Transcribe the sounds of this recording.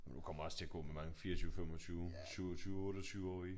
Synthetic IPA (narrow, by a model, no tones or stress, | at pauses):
jukʰɒ̽m̰ɐɒ̽st͡sʰe̝æɡ̥ɔ̰̽memɑ̈ŋəfiːɐt͡sʰyːʊfem̰ɒt͡sʰyːʊsyʊɒt͡sʰyːʊɔ̽ːɾ̥ɐt͡sʰyːʊɒ̰ːi